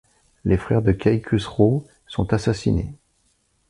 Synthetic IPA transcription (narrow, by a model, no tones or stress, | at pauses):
lʔefχɛʁd̪əkʲʰajkʲʰysʁo | sɔ̃t̪asasinḛ